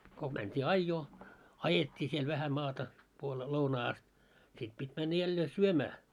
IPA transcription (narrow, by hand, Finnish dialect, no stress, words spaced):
ko mæntʲiː ɑijːoː ɑjetʲːiː siel ʋæhæ mɑːtɑ puoleː lounɑː ɑst sit pitʲ mænːæ jælːeː syømæː